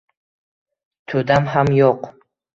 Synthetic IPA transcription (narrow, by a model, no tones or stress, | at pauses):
t̪ʰɵd̪amɦamjoq